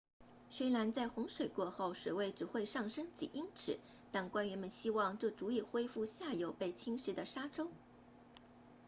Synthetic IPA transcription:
swe˥ɪla˧˥nt͡sa˥˩ɪxʊ˧˥ŋʂwe˨˩ɪkwɔ˥˧xo˥˩ʊʂwe˨˩ɪwe˥˩ɪʈ͡ʂɻ̩˨˩xwe˥˧ɪʂɑ˥˩ŋʂɤ˥ŋt͡ɕḭ˨˩ʔi˥ŋʈ͡ʂʰɻ̩˨˩˦ | t̪a˥˩nkwa˥nɥɛ˧˥nmə˧˨nɕi˥wɑ˥˧ŋʈ͡ʂɤ˥˩t͡su˧˥i˥˩xwe˥ɪfu˥˧ɕja˥˩jo˨˩ʊpe˥˩ɪt͡ɕʰi˥ŋʂɻ̩˧˥d̪ə˨ʂa˥ʈ͡ʂo˥ʊ

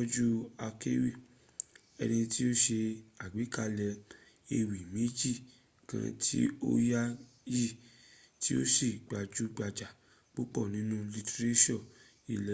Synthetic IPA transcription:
ɔ˦d͡ʒu˦a˧ke˦wi˦˨ | ɛ̰˧nĩ˧ti˦o˦ʃe˧a˨ɡ͡bi˨˦ka˦lɛ˧ | e˧wi˨mĩ˨˦d͡ʒi˦˨ | kã̰˧tʰḭ˦o̰˦ja˦ | ji˦˨ | ti˦o˦si˦˨ɡ͡ba˨d͡ʒu˦ɡ͡ba˨d͡ʒa˨ | k͡po˦k͡pɔ˦˨nĩ˨˦nũ˦li˧te˧ɾe˦ʃɔ̃˦˨ | i˦˨lɛ˨

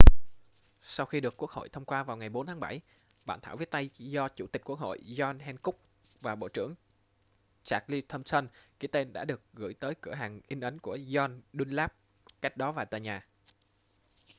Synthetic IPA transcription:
sa˧wxi˧ɗɨ˨˩əkːu˦˥ək̚ho̰˧˨jt̪ʰə˧wŋ͡mkwaː˧vaː˨˩wŋa˨˩jɓo˨˦nt̪ʰaː˨˦ɓa˧˩j | ɓaː˧˨nt̪aː˧˩wvi˦˥t̚t̪a˧jzɔ˧t͡ɕṵ˧˩t̪ï˨˩k̟̚ku˦˥ək̚ho̰˧˨jzɔ˧nhɛ˧nkʊ˦˥k͡p̚ | vaː˨˩ɓo̰˧˨t͡ɕɨ̰˧˩əŋ | t͡ɕaː˨˩k̚li˧t̪ʰə˧msə˧nki˧˩˦t̪e˧nɗa̰ː˧˥ɗɨ˨˩ək̚ɣɨ̰˧˩˨jt̪əː˨˦jkɨ˧˩əɦaː˨˩ŋʔï˧ŋ̟ʔə˨˦nku˧˩əzɔ˧nɗi˧nlaː˦˥p̚ | ka˦˥jk̟̚ɗɔ˨˦vaː˨˩t̪a̰ː˧˨jɲaː˨˩

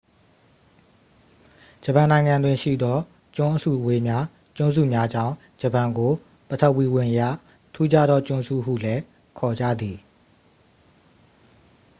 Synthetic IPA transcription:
d͡ʑə˨pã˨nã˨ɪ̃ŋã˨ndwɪ̃˨ʃḭ˦˨d̪ɔ˦ | t͡ɕʊ̃˦ʔəsṵ˦˨we˨mja˦ | t͡ɕʊ̃˦nzṵ˦˨mja˦d͡ʑã̰˦˨ | d͡ʑə˨pã˨ŋɡo˨ | pətʰə˦˨ʔwi˦˨wɪ̃˨ʔjä̰˦˨ | tʰu˦d͡ʑa˦d̪ɔ˦t͡ɕʊ̃˦zṵ˦˨ɦṵ˦˨lɛ˦ | kʰɔ˨d͡ʑä̰˦˨d̪i˨

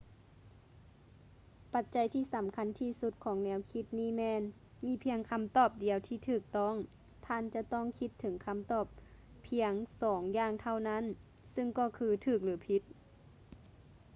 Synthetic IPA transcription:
pa˧t̪̚t͡ɕa˧˦jt̪ʰiː˧˩˨sa˨˦mkʰa˧˥˨nt̪ʰiː˧˩su˧t̪̚kʰɔː˨˦ŋnɛː˧˦˧wkʰi˧˥t̪̚niː˧˥˨mɛː˧n | miː˧˥˨pʰi˧əŋkʰa˧˥˨mt̪ɔː˧˩p̚di˨˩əwt̪ʰiː˧˩t̪ʰɯː˧˩k̚t̪ɔ˧˥˨ŋ | t̪ʰaː˧˥˨nt͡ɕa˧t̪ɔː˧˥˨ŋkʰi˧˥t̪ʰːɤ˩˦ŋkʰa˧˥˨mt̪ɔː˧˩p̚ʰː | i˧əŋsɔː˩˦ŋjaː˧˩ŋt̪ʰa˧˨wna˧˥˨n | sɯ˧˨ŋkɔː˧˩kʰɯː˧t̪ʰɯː˧˩k̚lɯː˩˦pʰi˧˥t̪̚

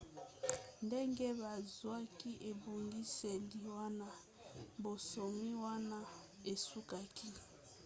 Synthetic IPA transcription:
nde˦ŋɡe˦ba˨zwa˦ki˦ʔe˨bo˨ŋɡi˦se˨li˨wa˦na˦ | bo˨so˨mi˦wa˦na˦ | e˨su˦ka˦kʰi˦

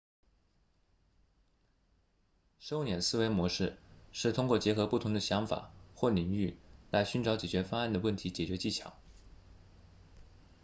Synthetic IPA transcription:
ʂo˥ʊnjɛ˨˩nsɹ̩˥˧we˧˥ɪmwɔ˧˥ʂɻ̩˥˩˧ʂɻ̩˥˩t̪ʰʊ˥ŋkwɔ˥˩t͡ɕjɛ˧˥xɤ˧˥pu˥˩t̪ʰʊ˧˥ŋd̪ə˧ɕjɑ˧˥ŋfa̰˨˩˦xwɔ˥˩li˨˩ŋy˥˩la˧˥ɪɕy˥nʈ͡ʂɑ˧˥ʊt͡ɕjɛ˨˩t͡ɕɥɛ˧˥fa˥a˥˩nd̪ə˩wə˥˩nt̪ʰi˧˥t͡ɕjɛ˨˩t͡ɕɥɛ˧˥t͡ɕi˥˩t͡ɕʰjɑ̰˨˧˥ŋ

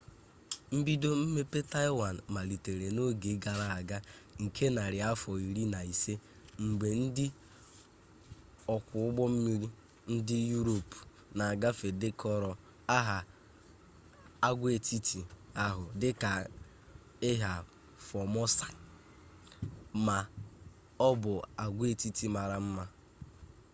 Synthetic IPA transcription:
m̩˦bi˦do˦m̩˦me˦pe˦ta˦ɪ˦wa˨n̩˨ma˨li˨te˨ɾe˨no˦ɡe˨˦ɡa˨ɾa˦˨a˨ɡa˦ŋ̩˨kʰe˦na˨ɾɪ˨a˦fɔ˨i˨ɾi˦na˨i˨se˦ | ŋ͡m̩˨ɡ͡be˨n̩˦dɪ˦ | ɔ˨kʷʊ˨ʊ˦ɡ͡bɔ˦m̩˦mi˦ɾi˦ | n̩˦dɪ˦ju˦ɾo˨p | na˨a˨ɡa˦fe˨de˦kʰɔ˦ɾɔ˨ | a˦ɦa˨ | a˦ɡʷe˨ti˦tʰi˨a˦ɦʊ˨dɪ˦ka˨ | ɪ˦ɦa˨ | fɔ˨mɔ˦sa˨ | ma˨ | ɔ˦bʊ˨a˨ɡʷe˨ti˦ti˨ma˨ɾa˨m̩˦ma˦

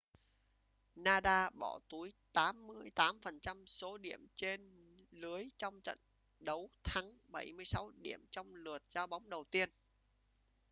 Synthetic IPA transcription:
naː˧ɗaː˧ɓɔ̰˧˩t̪u˨˦jt̪aː˨˦mːɨ˧əjt̪aː˨˦mfə˨˩nt͡ɕa˧mso˨˦ɗḭ˧˩˨əmt͡ɕe˧n | lɨ˨˦əjt͡ɕɔ˧wŋ͡mt͡ɕə̰˧˨n | ɗə˨˦wt̪ʰaː˨˦ŋɓa˧˩jmɨ˧əjsa˨˦wɗḭ˧˩˨əmt͡ɕɔ˧wŋ͡mlɨ˨˩ət̚zaː˧wɓa˨˦wŋ͡mɗə˨˩wt̪i˧ən

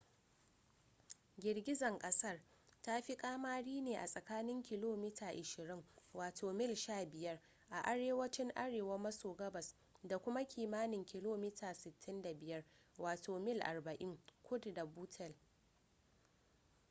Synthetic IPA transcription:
ɡʲɪ˨ɽɡʲɪ˦zɐ˨ŋkʼɐ˦sɐ˦r | ta˦ɸi˦kʼaː˦maː˦ɽiː˦neː˨ʔa˨sʼɐ˨kaː˦nɪ˦ŋkʲɪ˨loː˦miː˦tʰaː˨ʔɪ˨ʃɪ˨ɾɪ˦ŋwaː˨tʰoː˨mɪ˦˨lʃaː˦˨bɪ˨jɐ˦r | ʔa˨ʔa˨ɽeː˦wɐ˦t͡ʃɪ˦ŋʔa˦ɽeː˨wɐ˦mɐ˦soː˨ɡɐ˦bɐ˨s | da˨kʷʊ˦ma˦kʲʰiː˨maː˦nɪ˨ŋkʲɪ˨loː˦miː˦tʰaː˨sɪ˨tːɪ˦nda˨bɪ˨jɐ˦rwaː˨tʰoː˨mɪ˦lʔa̰˨rbɐ˨ʔɪ˦ŋkʰʷʊ˦dda˨buː˦tʰɛ˨l

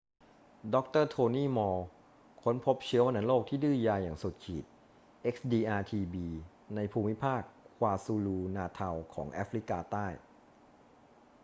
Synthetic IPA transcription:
dɔ˦˥k̚t̪ɤː˥˩t̪ʰoː˧niː˥˩mɔː˧ | kʰo˦˥npʰo˦˥p̚t͡ɕʰɯ˦˥ɐma˧na˩˦˥loː˥˩k̚t̪ʰiː˥˩dɯː˥˩jaː˧jaː˨˩ŋsu˨˩t̪̚kʰiː˨˩t̪̚ | ʔe˦˥k̚sdiː˧ʔaː˧t̪ʰiː˧biː˧ | na˧jpʰuː˧mi˦˥pʰaː˥˩kʰwaː˧suː˧luː˧naː˧t̪ʰa˧wkʰɔ̰ː˩˦ŋʔa̰˦˥fɾi˦˥kaː˧t̪aː˥˩j

